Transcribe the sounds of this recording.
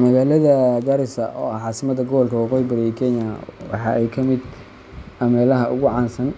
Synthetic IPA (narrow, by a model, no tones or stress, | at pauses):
mɐɣaːlɐðɐɡɐɾɪsɐʔɔːɐʕɑːsɪmɐd̪ɐɡɔβɔlkʰɐwɑqɔːjɪbɐɾɛjɛkʰɛnjɐwɑ̰ħɑ̰ʔɛjkʰɐmɪd̪ | ɐmɛːlɐɦɐʔʊɣʊʕɑːnsɐn